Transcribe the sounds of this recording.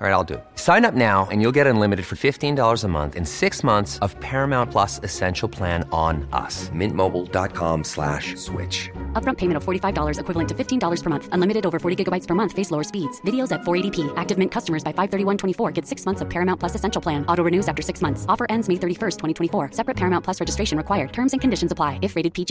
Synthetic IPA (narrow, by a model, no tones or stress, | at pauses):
ɹaɪɾaɪlˠdɨ̰ | sãɪ̃nʌp̚naʊɨ̰̃njulˠɡɛɾɨ̃nlɪ̃mɨɾɨd̥fə˞fɪftĩndɔlˠə˞zəmʌ̰̃nθɨ̰̃nsɪksmʌ̃nθsʌv̥pʰɛɹɨmãʊ̃npʰl̥ʌsɨsɛ̃nʃl̩ˠpʰl̥æ̃nə̃nʌ̰smɪ̰̃nmoʊbl̩ˠdɑ̰t̚kʰɑ̰̃mslæ̰ʃswɪ̰t͡ʃʌpbɹʌ̃mpʰeɪmɨ̃ñtʌv̥fɔɹɾifaɪvdɔlˠə˞zɨkʰwɪvlˠə̃ntʰɨfɪftʰĩndɔlˠə˞z̥pə˞mʌ̃nθə̃nlɪ̃mɨɾɨɾoʊvə˞fɔɹɾiɡɪɡəbaɪtspʰə˞mʌ̃nθfeɪsloʊə˞spidz̥vɪɾioʊzætfɔɹeɾipʰiʔæk̚tɨvmɪ̃nkʰʌstəmə˞zbaɪfaɪv̥θɜ˞ɾiwʌ̃ntʰwɛ̃ɾ̃ifɔɹɡɛtsɪksmʌ̃nθsʌv̥pʰɛɹɨmãnpʰlʌsɨsɛ̃nʃl̩ˠpl̥æ̃nʔɔɾoʊɹɨnʉzæftə˞sɪksmʌ̃nθsɔfə˞ʔɛ̃ndzmeɪθɜ˞ɾifɜ˞stʰwɛ̃ɾ̃tʰɛ̃ifɔɹsɛpɹɨt̚pʰɛɹɨmãʊ̃npʰl̥ʌsɹɛd͡ʒɨstɹ̥eɪʃɨ̃nɹɨkʰwaɪə˞d̚tʰɜ̃˞mzɨ̃nkʰɨ̃n̩dɪʃn̩zəpʰl̥aɪɨfɹeɪɾɨd̚pʰid͡ʒi